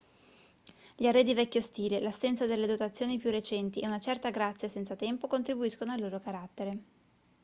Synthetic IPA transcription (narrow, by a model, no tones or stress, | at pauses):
ʎiarːed̪ivɛkʲːost̪iːlelasɛnt̪sad̪elːed̪ot̪at̪sːjoːnipjurːet͡ʃɛnt̪iʔeunat͡ʃɛrt̪aɡɾat̪sːjasɛnsat̪ɛmpokont̪ɾibuiskonoalːoːɾokaɾat̪ːeɾe